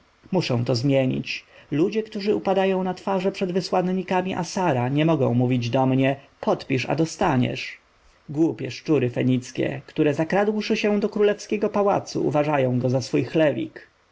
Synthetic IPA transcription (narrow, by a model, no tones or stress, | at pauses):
muʂɛ̃w̃t̪ɔzmʲjeɲḭt͡ɕlud͡ʑɛkt̪uʐɘupad̪ajɔ̃w̃nat̪faʐɛpʂɛd̪vɘswanɲikamʲiʔa̰saɾaɲɛmɔɡɔ̰̃w̃muvʲid͡ʑd̪ɔmɲɛpʰɔt̪pʲiʂa̰d̪ɔst̪aɲɛ̰ʂ | ɡwupʲjɛʂt͡ʂuɾɘfɛɲit̪skʲɛ̰kt̪uɾɛzakɾad̪wʂɘɕɛ̃d̪ɔkɾulɛfskʲɛɡɔpawa̰t̪sṵʔṵvaʐajɔ̃w̃ɡɔzasfujxlɛvʲḭk